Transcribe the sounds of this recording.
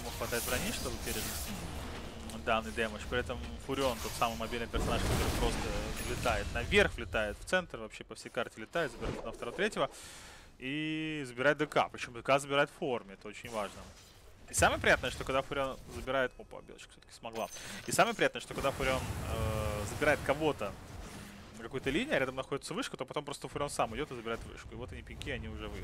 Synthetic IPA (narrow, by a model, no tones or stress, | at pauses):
muxvɐt̪ajɪt̪vɾɐnʲiʂt̪ovɨpʲeɾʲɪd̪ns | d̪anːɨjd̪eməʂpɾʲɪɛt̪əmfʊɾʲɪo̞nt̪o̞t̪samɨjmɐbʲilʲnɨjpʲɪrsɐnaʂkɐt̪o̞ɾɨjpɾo̞st̪əvɐpɕelʲɪt̪ajɪt̪nɐvʲerxvlʲɪt̪ajɪt̪ft̪sɛnt̪rvɐpɕːepɐfsʲejkartʲɪlʲɪt̪ajɪt̪zəbʲɪɾa̰t̪nəft̪ɐɾot̪ɾʲetʲjɪvə | izəbʲɪɾat̚ʲd̪ɨka̰pɾʲɪt͡ɕɪmud̪ɨkazəbʲɪɾajɪt̪fo̞rmʲɪɛt̪əo̞t͡ɕɪnʲvaʐnə | isaməjəpɾʲɪjat̪nəʂt̪okɐɡd̪afʊɾʲonzəbʲɪɾajɪt̪opɐ̰bʲḛl̰ˠt͡ɕkə̥fsʲot̪ə̥kʲɪ̥smɐɡlˠa̰isaməjəpɾʲɪjat̪nəʂt̪okɐɡd̪afʊɾʲɪonəzəbʲɪɾaɪt̪kɐvo̞t̪ə | nəkɐkojət̪əlʲinʲɪɪɐɾʲad̪əmnɐxo̞dʲɪt̪səvɨʂkət̪o̞pɐt̪o̞mpɾo̞st̪əfʊɾʲonsamɨdʲo̞t̪ɨzəbʲɪɾaɪt̪vɨ̰ʂkʊɪvo̞t̪ɐnʲipʲɪnʲkʲiɐnʲiʊʐɛvɨ̰